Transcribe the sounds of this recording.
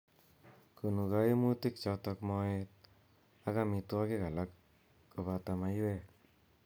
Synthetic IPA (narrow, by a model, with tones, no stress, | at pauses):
ku˨nu˨ka˦ji˦mu˦ti˦k̚t͡ʃɔ˧tɔ˧kmɔ˧e˧t̚ | a˦ka˦mi˧twɔ˦ki˦ka˨la˦kː | u˧βa˧ta˧ma˧jwe˦˨